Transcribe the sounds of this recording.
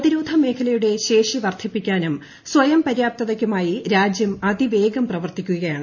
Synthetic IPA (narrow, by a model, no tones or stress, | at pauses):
ɐðiɾoːd̪ʱɐme̞ːkʰɐlɐjuɽe̞ɕe̞ːʂiʋɐrt̪ʰipːikʲːaːnum | sʋɐjɐmpɐɾjaːp̚t̪ɐðɐkʲːumaːjiɾaːd͡ʑjɐmɐd̪iʋe̞ːɡɐmprɐʋɐrt̪ikʲːuɣɣɐjaːɳɨ